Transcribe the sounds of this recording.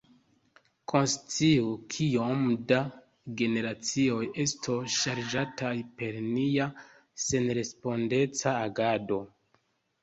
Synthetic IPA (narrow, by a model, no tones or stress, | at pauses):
kʰo̞nst͡siukʰiomda | ɡe̞ne̞ɾat͡sio̞je̞stʰoʃaɾd͡ʒatʰajpe̞ɾnia | se̞nɾe̞spo̞nde̞t͡saːɡado̞